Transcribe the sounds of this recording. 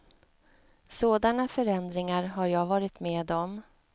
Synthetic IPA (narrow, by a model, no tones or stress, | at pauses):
soːd̪anafœɾɛnd̪ɾɪŋaɾɦaɾjɑːɡvɑːɾɪt̪meːd̪ɔm